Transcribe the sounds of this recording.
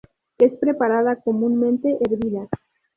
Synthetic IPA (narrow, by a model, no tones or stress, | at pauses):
e̞spɾe̞paɾað̞ako̞mũnmẽnt̪e̞ʔeɾβiða